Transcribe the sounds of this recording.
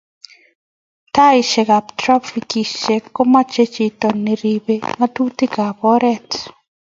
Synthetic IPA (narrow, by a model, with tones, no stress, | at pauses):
ta˦ɪ˨ʃɛ˨ka˨ptɾa˦fi˨ki˨ʃe˨ko˦ma˦t͡ʃe˦t͡ʃi˨tɔ˨nːe˨ɾi˨be˦ŋa˦tu˦ti˦ka˨pɔ˦ɾɛ˦t